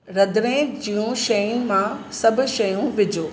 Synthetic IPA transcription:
ɾɐd̪ɾẽd͡ʑiːjõʃɐjũmãsɐbʱʊ̆ʃɐjũʋɪd͡ʑoː

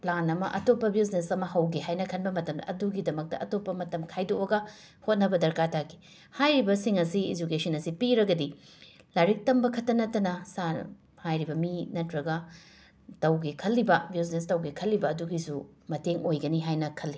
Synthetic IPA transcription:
planɐmɐʔɐtopːɐbisnesɐmɐhɐwɡeɦajnɐkʰɐnbɐmɐtɐmdɐ̰ʔɐduɡidɐmɐk̚tɐ̰ɐtopːɐmɐtɐmkʰajdoɐɡɐ | hot̚nɐbɐdɐɾkatʰaki̥ | hajɾibɐsiŋɐsiḭd͡ʒukesɐnɐsipiɾɐɡɐdi | laɾik̚tɐmbɐkʰɐtːɐnɐtːɐnɐsa̰ | hajɾibɐminɐtɾɐɡɐ | tɐwɡekʰɐlːibɐbiz̬nestɐwɡekʰɐlːibɐːduɡisu | mɐteŋojɡɐniɦajnɐkʰɐlːi

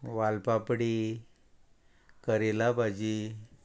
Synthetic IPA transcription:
ʋalpapɽi | kəɾelabʱad͡ʑi

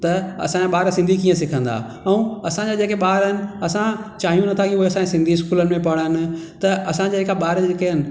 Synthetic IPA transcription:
t̪ɐɐ̰sãd͡ʑaɓaːɾsɪ̃nd̪ʱikiːə̃sɪkʰə̃nd̪a̰ː | ɛ̃ũɐsãd͡ʑad͡ʑeːkeɓaːɾɦɪnɪ̆ɐsãt͡ɕaːɦijũnɐt̪ʰakiuɦeɐsãkesɪ̃nd̪ʱiɪskuːlənɪ̆mẽpɐɽ̤ənɪ̆t̪ɐɐsãd͡ʑaːekaɓaːɾd͡ʑeːkeɦɪnɪ̆

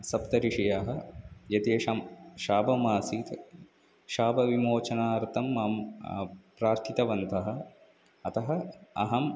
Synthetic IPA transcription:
sɐpt̪ɐɾiʂijaɦɐ̆jɐt̪ijɐɐʃaːbɐmaːsiːt̪ | ʃaːbɐʋimoːt͡ʃɐnaːɾt̪ʰɐmːam | pɾaːɾt̪ʰit̪ɐʋɐnt̪ɐɦɐ̆ | ɐt̪ɐɦɐɐɦɐm

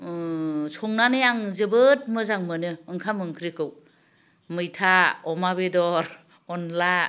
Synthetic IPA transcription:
sʰɔŋnanɯjaŋzɯbɯt̚mɯzaŋmɯnɯːŋkʰamɯŋkʰɾikɯw | mɯjtʰaɔmabedɔɾ | ɔnla

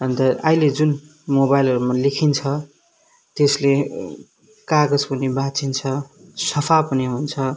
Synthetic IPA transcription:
ʌnt̪ʌailed͡zun | mobajlʌɾumalekʰint͡sʰʌ | t̪esle | kaɡʌd͡zpunibat͡sint͡sʰʌsʌpʰapʌniɦunt͡sʰʌ

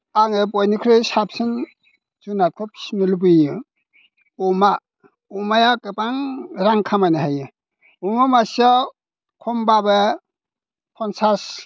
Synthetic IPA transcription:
aŋep̬ɔjnikʰɾesap̚sɯn | zunat̚kʰɔpʰi̥smilubɯjɯ | oma | omajakɯpaŋɾaŋkʰamajnaɦajɯ | umamasa | kʰɔmbaba | pʰɔnsas

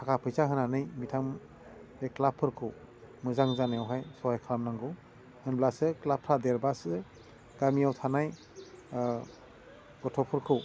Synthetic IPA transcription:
tʰakapʰɯjsaɦɯnanɯjmitʰam | eklapʰːɯɾkʰɯw | mɯzaŋzanejawɦajsɔhajkʰlamnaŋɡɯw | hɯnblasɯklapʰɾadeɾbasɯ | ɡamiawtʰanaj | ɡ̥ɔtʰɔpʰɯɾkʰɯw

